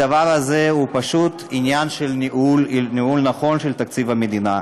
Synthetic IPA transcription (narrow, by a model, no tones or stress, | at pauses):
ɐvaʁazeɦupɐʃut̪injanʃelniulniulnɐχo̞nʃelt̪ak̪̚t͡sivhamed̪ina̰